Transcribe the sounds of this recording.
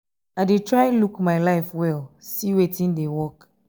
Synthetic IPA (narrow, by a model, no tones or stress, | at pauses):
aɪdetɹaɪ̃lukmaɪlaɪfwɛlsiwetĩndewɔk